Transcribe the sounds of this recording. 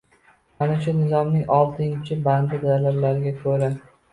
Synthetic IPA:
manɪt͡ʃanɪzɒmnɪŋɒlˠt̪ʰɪŋɪt͡ʃʰɪband̪ɪd̪alablaɾɪɡʲakʰɵɾa

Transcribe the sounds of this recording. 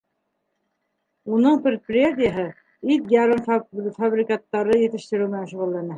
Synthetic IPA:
unɤɴprʲɪt̪̚prʲɪjat̪̬ʲɪjəɦɤ | it̪jaɾɤmffabrʲɪkat̪ːɑɾɤjɘ̆t̪ɘ̆ʃt̪ɘ̆ɾɘwmɘ̆nænʃuʁɤ̆lˠːɑnɤ

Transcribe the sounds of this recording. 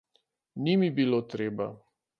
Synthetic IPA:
nimibiloːt̪ɾeːba

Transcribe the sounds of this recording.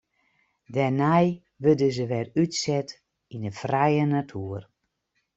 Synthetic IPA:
dɛnɛj | ʋødəzəʋɛrytsɛt | inəfrɛjənatʰuər

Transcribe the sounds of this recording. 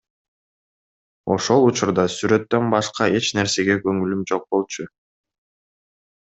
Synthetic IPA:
o̞ʃo̞lˠut͡ʃuɾd̪ɑsyɾø̞t̪ːø̞nbɑʃqɑe̞t͡ʃne̞ɾse̞ɡe̞ɡøŋylymd͡ʒo̞q̚bo̞lˠt͡ʃu

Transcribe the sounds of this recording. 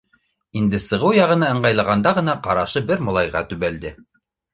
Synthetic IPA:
ind̪ɘsɤ̆ʁɤwjɑʁɤ̆nɤɤ̆ɴɢɑjlˠɑʁɑnd̪ɑʁɤ̆nɑqɑɾɑʃɤbɘɾmŏlˠɑjʁɑ̰t̪ʉβæld̪ɘ

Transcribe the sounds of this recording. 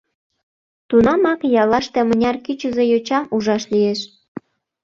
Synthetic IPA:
t̪unɑmɑkjɑlɑʃt̪ĕmənʲɑrkyt͡ɕə̆zejot͡ɕɑʔuʒɑʃlijeʃ

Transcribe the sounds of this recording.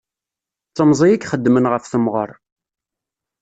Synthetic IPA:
t͡sːəmzˤijikχəd̪ːmənʁəfθəmʁə̰ɾˤ

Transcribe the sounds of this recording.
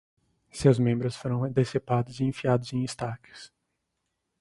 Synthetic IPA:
sewzmẽmbɾʊsfoɾɐ̃w̃d̪esepad̪ʊziẽfiad̪ʊzẽj̃ist̪akɪ̥s

